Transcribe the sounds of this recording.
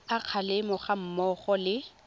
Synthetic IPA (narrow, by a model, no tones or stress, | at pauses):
aq͡χʰalɪmɔχam̩mɔχɔlɪ